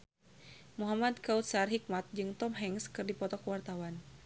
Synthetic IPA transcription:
muɦamad̪kaut̪sarɦik̚mat̪̚d͡ʒɨŋt̪ɔmɦɛŋskɨrdipɔt̪ɔkwart̪awan

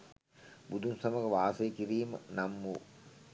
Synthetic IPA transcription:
bud̪umsɐmɐɣɐʋaːsɐjkiɾiːmnɐmːu

